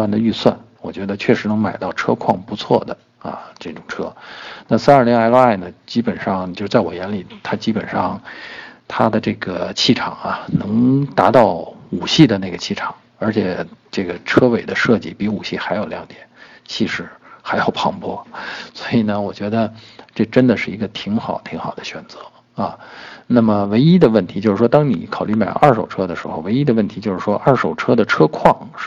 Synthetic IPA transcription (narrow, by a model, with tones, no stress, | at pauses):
a˥˩nd̪ə˩y˥˧swa̰˥˩n | wɔ˨˩t͡ɕɥɛ˧˥d̪ə˧t͡ɕʰɥɛ˥˩ʂɻ̩˧˥nɤ˧˥ŋma˨˩ɪt̪ɑ˥˩ʊʈ͡ʂʰɤ˥kʰwɑ̰˥˩ŋpu˧˥t͡sʰwɔ˥˩d̪ə˩ | ɐ̰˧ʈ͡ʂɤ˥˩ʈ͡ʂʊ˨˩ŋʈ͡ʂʰɤ˥na˥˩s̩˥ə˞˥˩li˧˥ŋa˧˥ɪlə˥a˥˩ɪnə˩t͡ɕi˥pə˨˩nʂɑ˥˧ŋjʂ̩˥˧t͡sa˥˩wɔ˨˩jɛ˧˥nli˨˩t̪ʰa˥t͡ɕi˥pə˨˩nʂɑ˥˩ŋt̪ʰa˥d̪ə˨ʈ͡ʂɤ˥˩ɡə˩t͡ɕʰi˥˩ʈ͡ʂʰɑ̰˨˩˦ŋɐ˧nɤ˧˥ŋt̪a˧˥t̪ɑ˥˩ʊu˨˩ɕi˥˩d̪ə˩na˥˩ɡə˩t͡ɕʰi˥˩ʈ͡ʂʰɑ̥˨˩˦ŋ | ə˞˧˥t͡ɕʰjɛ˨˩ʈ͡ʂɤ˥˩ɡə˩ʈ͡ʂʰɤ˥we˨˩ɪd̪ə˦ʂɤ˥˧t͡ɕi˥˩pi˧˥u˨˩ɕi˥˩xa˧˥ɪjo˨˩ʊljɑ˧˥ŋt̪jɛ˨˩˦n | t͡ɕʰi˥˧ʂɻ̩˧˥xa˧˥ɪjɑ˨˩ʊpʰɑ˧˥ŋpwɔ˥swɔ˧˥i˨˩nə˦wɔ˨˩t͡ɕɥɛ˧˥d̪ə˧ʈ͡ʂɤ˥˩ʈ͡ʂə˥nd̪ə˨ʂɻ̩˥˩i˧˥ɡə˧t̪ʰi˧˥ŋxɑ˨˩ʊt̪ʰi˧˥ŋxɑ˨˩ʊd̪ə˦ɕɥɛ˨˩nt͡sɤ˧˥ | ɐ˧na˥˩mə˩we˧˥ɪi˥d̪ə˨wə˥˩nt̪ʰi˧˥t͡ɕo˥˧ʂɻ̩˥˩wɔ˥t̪ɑ˥ŋni˨˧˩kʰɑ˨˩ʊly˥˩ma˨˩ɪl̰ʔɐ˞˥˩ʂo˨˩ʊʈ͡ʂʰɤ˥d̪ə˨ʂɻ̩˧˥xo˧ʊwe˧˥ɪi˥d̪ə˧wə˥˩nt̪ʰi˧˥t͡ɕjo˥˧ʊʂɻ̩˥˩ʂwɔ˥ʔɐ˥˩ʂo˨˩ʊʈ͡ʂʰɤ˥d̪ə˨ʈ͡ʂʰɤ˥kʰwɑ˥˩ŋ˥